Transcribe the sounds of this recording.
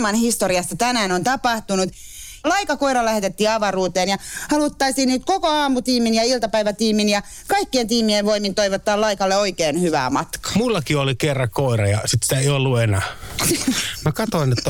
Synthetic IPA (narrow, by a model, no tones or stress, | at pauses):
mɑnhist̪oriɑst̪ɑt̪ænæːnont̪ɑpɑht̪unut̪ | lɑikɑkoiɾɑlæhet̪et̪ːiːɑʋɑruːt̪eːnjɑhɑlut̪ːɑisiːnniːt̪kokoɑːmut̪iːminjɑilt̪ɑpæiʋæt̪iːminjɑ | kɑikːient̪iːmieʋʋoimint̪oiʋot̪ːɑːlɑikɑlːeoikeːnhyʋæ̰ːmɑt̪kɑ̥mulːɑkiolikerːɑkoˑirɑjɑ̰sit̪si̥t̪æeiolːuenæː | mækɑt̪oˑinet̪ːæ